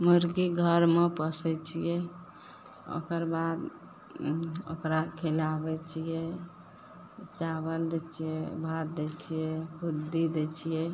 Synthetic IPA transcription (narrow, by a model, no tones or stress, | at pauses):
muɾɡiɡʱəɾmepəsɛt͡ʃʰijɛ | o̰kəɾbad̪ | o̰kɾakʰelabɛt͡ʃʰijɛ | t͡ʃabəld̪ɛt͡ʃʰijɛbʱat̪d̪ɛt͡ʃʰijɛkʰud̪ːid̪et͡ʃʰijɛ